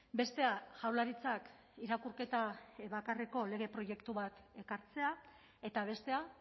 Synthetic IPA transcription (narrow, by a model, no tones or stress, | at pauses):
be̞st̪e̞aʝawlaɾit͡sak | iɾakuɾke̞t̪aβakareko̞le̞ɣ̞e̞pɾo̞je̞kt̪uβat̪e̞kaɾt͡se̞a | e̞t̪aβ̞e̞st̪e̞a